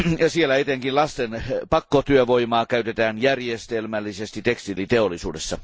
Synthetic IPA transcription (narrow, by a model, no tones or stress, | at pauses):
jɑsielæet̪eŋkinlɑst̪enpɑkːot̪yøʋoimɑːkæyt̪et̪æːnjærjest̪elmælːisest̪it̪ekst̪ilit̪eolːˑisṵːdesːɑ